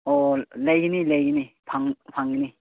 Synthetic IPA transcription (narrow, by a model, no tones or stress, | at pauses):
olajɡinilajɡinipʰaŋpʰaŋini